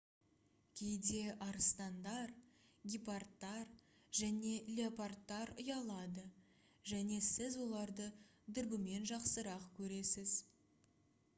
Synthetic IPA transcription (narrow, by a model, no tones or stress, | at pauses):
kʲʰe̞jd̪e̞ʔɑɾəst̪ɑnd̪ɑɾɡʲipart̪ːɑɾ | ʒæne̞lʲeapart̪ːɑɾʊjɑlˠɑd̪ə | ʒæne̞sɪzwo̞lˠɑɾd̪əd̪əɾbɪme̞nʒɑqsəɾɑqkʲʰɵɾe̞sɪz̥